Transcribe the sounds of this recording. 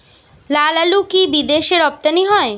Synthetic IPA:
lalalukibid̪eʃeɾɔp̚t̪aniɦɔe

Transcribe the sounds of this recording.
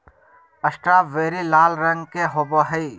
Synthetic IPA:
ɐsʈɾaːʋeːɾilaːlɾɐŋɡkeɦoːboɦɐi

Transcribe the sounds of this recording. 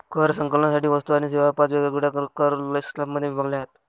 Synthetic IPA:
kʰəɾsəŋkələnasaʈiːʋəst̪uaɽ̃iseʋapat͡sʋeɡlaɡuɽakəɾləslapməd̪ʱjebʱəɡljaɦet̪

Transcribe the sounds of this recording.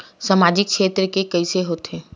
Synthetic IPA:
səmaːd͡ʒɪk̚ʃʰeːt̪ɾəkekɐɪseɦoːt̪ʰeː

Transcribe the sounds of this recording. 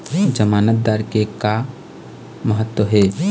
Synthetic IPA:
d͡ʒəmaːnət̪̚d̪aːɾkeka | məɦət̪ːwəɦeː

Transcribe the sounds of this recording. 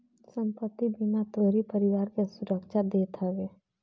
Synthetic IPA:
sə̃mpət̪ːibɪnat̪oːɾipəɾɪwaːɾkesʊɾəkʃad̪eːt̪ɦəweː

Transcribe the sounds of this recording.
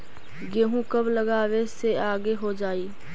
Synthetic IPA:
ɡeːɦũːkəbləɡaːʋeːseːaːɡeːɦoːd͡ʒaːiː

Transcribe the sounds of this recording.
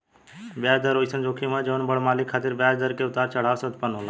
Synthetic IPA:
bjaːd͡ʒd̪əɾoːjsənd͡ʒoːkʰimãd͡ʒəʋənbəɽmaːlɪkʰːaːt̪ɪɾbjaːd͡ʒd̪əɾkeʊt̪aːɾt͡ʃəɽ̤aːʋsət̪̚pənɦoːlãː

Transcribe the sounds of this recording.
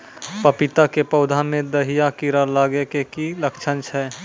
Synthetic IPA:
pəpɪt̪akepəʊd̪ʱamẽd̪əɦijakiɾalaːɡekekiləkt͡ʃʰənt͡ʃʰɛː

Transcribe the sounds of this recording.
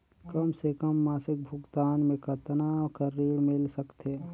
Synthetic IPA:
kəmsekəmːaːsɪk̚bʱʊɡt̪aːnmẽkət̪nakəɾiːɽmɪlsəkt̪eː

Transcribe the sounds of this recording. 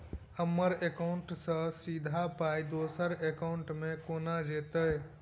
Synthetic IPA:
həmːəɾekaʊɳʈsə̃sid̪ʱapajd̪osəɾekaʊɳʈmekonad͡ʒet̪əj

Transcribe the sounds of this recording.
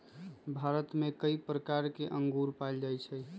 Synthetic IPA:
bʱaɾət̪mekəipɾəkaɾkeʔəŋɡuɾpajld͡ʒajt͡ʃʰɛ

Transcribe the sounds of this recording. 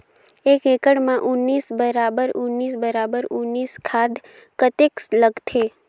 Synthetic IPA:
ekekəɽmãʔʊnːiːsbəɾabəɾʊnːiːsbəɾabəɾʊnːiːskʰad̪ | kət̪eksləɡt̪ʰe

